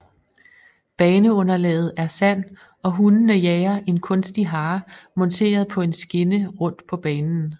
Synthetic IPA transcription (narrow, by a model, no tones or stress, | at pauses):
b̥ɛːnəɔ̽nɐlɛ̰ːð̞̩ˠæɐsæn̰ | ɒ̽ɦunnəjɛːɐʔe̝nkʰɔ̽nsd̥iɦɑ̈ːmɒ̽nt͡sʰe̝̰ːɐð̞̩ˠpʰɒ̽e̝nsɡ̥e̝nəʁɔ̽n̰d̥pʰɒ̽b̥ɛːnn̩